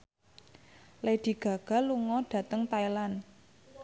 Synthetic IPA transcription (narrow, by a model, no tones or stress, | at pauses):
led̪̥i̤ɡ̥a̤ɡ̥a̤luŋɔɖ̥ä̤t̪əŋt̪ailan